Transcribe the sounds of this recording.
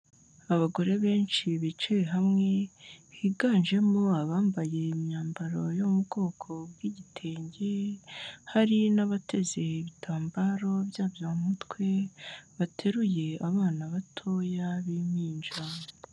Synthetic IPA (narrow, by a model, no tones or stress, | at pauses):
aβaɡo̞ɾe̞βe̞ːnt͡ʃiβit͡ʃeɦamŋe̞βiːɡaːnʒe̞moaβaːmbaje̞imɲaːmbaɾo̞jomubɡo̞ːkʰo̞bɡiːɟitʰe̞ːɲɟe̞ | haɾinaβatʰe̞ze̞iβitʰaːmbaɾo̞bjaːbjomutwe̞βatʰe̞ɾuje̞aβaːnaβatʰojaβimiːnd͡ʒa